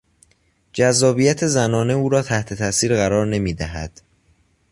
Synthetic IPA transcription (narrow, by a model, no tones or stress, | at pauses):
d͡ʒæzːɒːbiːjæt̪ʰe̞zænɒːne̞uːɾɒːt̪ʰæht̪ʰe̞t̪ʰæːsiːɾɣæɾɒːɾne̞miːd̪æɦæ̰d̪̥